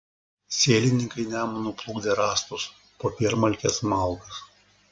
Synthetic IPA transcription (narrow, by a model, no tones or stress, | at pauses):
sʲeːlʲɪnʲɪŋkɐɪnʲæːmɐnuplˠʊɡd̪ʲeɾɑːst̪ʊs | poːpʲiɛɾmɐlʲkʲeːsmɐˑlˠɡɐs